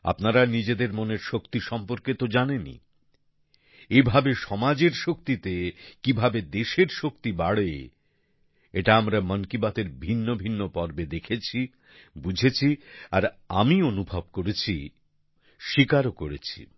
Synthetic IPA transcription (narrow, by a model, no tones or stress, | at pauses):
a̰pnaɾanid͡ʑed̪eɾmoneɾʃokt̪iʃɔmpoɾket̪od͡ʑanenḭ | ebʱabeʃɔmad͡ʑeɾʃok̚t̪it̪ekibʱabed̪eʃeɾʃokt̪ibaɽe | eʈaamɾamənkibat̪eɾbʱinːobʱinːopɔɾbed̪ekʰet͡ɕʰi | bud͡ʑʱet͡ɕʰiaɾa̰mionubʱab̚koɾet͡ɕʰḭ | ʃikaɾokoɾet͡ɕʰḭ